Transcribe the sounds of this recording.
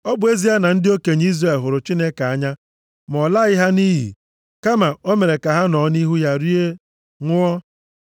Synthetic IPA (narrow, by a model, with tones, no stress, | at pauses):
ɔ˦bʊ˨˦e˦zi˦a˦na˨n̩˦dɪ˦o˦ke˨ɲ˦i˦zre˨lɦʊ˨ɾʊ˨t͡ʃi˦ne˦ka˨a˦ɲa˦ | m˨ɔ˨la˦ɣɪ˦ɦa˦ni˦ɦḭ˨ | ka˦ma˨o˦me˨ɾe˨ka˨ɦa˦nɔ˨˦ni˦ɦu˦ja˦ɾi˦e˦ | ŋʷʊ˦ɔ˦